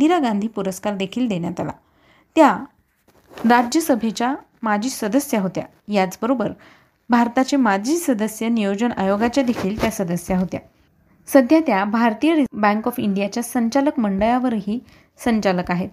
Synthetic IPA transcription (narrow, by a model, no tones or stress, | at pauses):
d̪iɾaɡãnd̪ʱiːpuɾəskaɾd̪ekʰiːld̪eɳjat̪ala̰ | t̪ja | ɾad͡ʑjəsəbʱet͡ɕja | mad͡ʑiːsəd̪əsjaɦot̪ja̰ | jat͡sbəɾobəɾ | bʱaɾt̪at͡ɕemad͡ʑʱiːsəd̪əsjənijod͡ʑənajoɡat͡ɕjad̪ekʰiːlt̪jasəd̪əsjaɦot̪ja̰ | səd̪ʱjat̪jabʱaɾt̪ijəɾibæ̃ŋkɔfiɳɖijat͡ɕjasəɲt͡ɕaləkməɳɖəjaʋəɾɦiː | səɲt͡ɕaləkaɦet̪̚